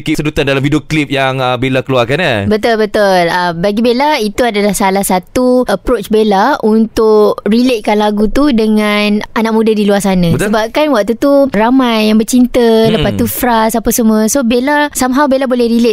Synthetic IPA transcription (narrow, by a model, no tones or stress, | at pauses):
kisədut̪andalamfidioklip̚jaŋəbelakəluarkanabət̪ʊlbət̪ʊləmbaɡibelait̪uadalahsalahsat̪uʔəpɾot͡ʃbelaunt̪ʊkrileʔ̪̚kanlaɡut̪udəŋananaʔ̚mũdadiluarsanãsəbap̚kanwak̚t̪ut̪uramajːaŋbərt͡ʃint̪ələpat̪ufɾasapasəmuəsobelasamɦawbelabolɛhɾileʔ